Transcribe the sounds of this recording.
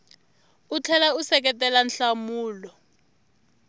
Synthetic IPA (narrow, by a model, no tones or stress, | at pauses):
ut͡ɬʰɛlausɛk̬ɛtɛlanɬamuːlɔ